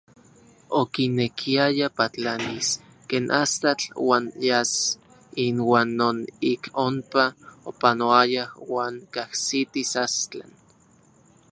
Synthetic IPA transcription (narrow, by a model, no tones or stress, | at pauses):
okinekʰiajapat͡ɬanis | keːnʔast̪at͡ɬwaːnjas | inwaːnːonikompaopanoajawaːŋkahsit̪isast͡ɬa̰n